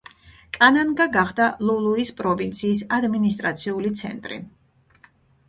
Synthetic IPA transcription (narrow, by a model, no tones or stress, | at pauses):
kʼananɡaɡaχd̪alulˠuispʼɾɔvint̪sʰiːsad̪minist̪ʼɾat̪sʰiulit̪sʰɛ̰nt̪ʼɾḭ